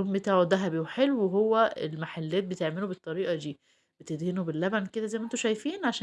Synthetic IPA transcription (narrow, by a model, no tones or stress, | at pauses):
obmːet̪æːʕod̪æɦæbiweħelːuweɦowːæelmaħalːæːt̪̚bet̪eʕmelubet̪ˤːɑɾiːʔɑd̪iː | b̥et̪ed̪henubelːæbænked̪æzæjmʔent̪oʃæjfiːnʕaʃ